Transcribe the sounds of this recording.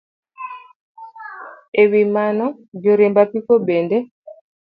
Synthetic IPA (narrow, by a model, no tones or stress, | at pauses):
ewimanɔ | d͡ʒɔɾɛmbapikɔbɛndɛ